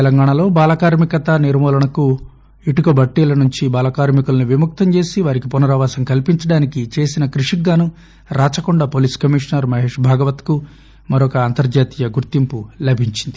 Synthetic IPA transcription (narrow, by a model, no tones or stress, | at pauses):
t̪ɛlɐŋɡaːɳɐlo̞ːbaːlɐkaːɾmikɐt̪ɐniɾmɔːlɐɳɐku | iʈukɐbʱɐʈːiːlɐnuɲt͡ʃibaːlɐkaːɾmikulɐniʋimuk̚t̪ɐɲt͡ʃe̞ːsiʋaːɾikipunɐɾɐʋaːsɐmkɐlpiɲt͡ʃɐɽaːnikit͡ʃe̞ːsinɐkɾuʂiɡaːnu | ɾaːt͡ʃɐkuɳɖapoːliːskɐmiʂnɐɾmɐɦe̞ːʂbʱaːɡɐʋɐt̪ku | mɐɾɔkɐːnt̪ɐɾd͡ʒaːt̪ijɐɡuɾt̪impulɐbʱiɲt͡ʃind̪i